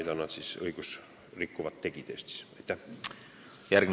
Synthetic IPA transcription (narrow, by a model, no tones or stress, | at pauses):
jt̪ɑnːɑt̪sisɤ̰jɡus | rikːuvɑt̪ːe̞kit̪ḛst̪si̥sæjt̪ːæ | jærɡ̥m